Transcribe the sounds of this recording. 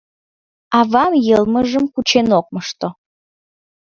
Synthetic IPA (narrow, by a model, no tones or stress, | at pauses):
ɑβɑmjəlməʒəmkut͡ɕenok̚məʃt̪o